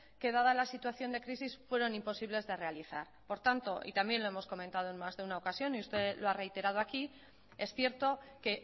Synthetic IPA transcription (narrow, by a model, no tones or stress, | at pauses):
ke̞ðaðalasit̪waθjo̞nd̪e̞kɾisisfwe̞ɾo̞nimpo̞siβle̞zðe̞re̞aliθa̰ɾpo̞ɾt̪ant̪o̞ʔḭt̪ambje̞nlo̞e̞mo̞sko̞mẽnt̪að̞o̞e̞nmazðe̞unaokasjo̞niust̪e̞loare̞jt̪e̞ɾað̞o̞aki | e̞sθje̞ɾt̪o̞ke̞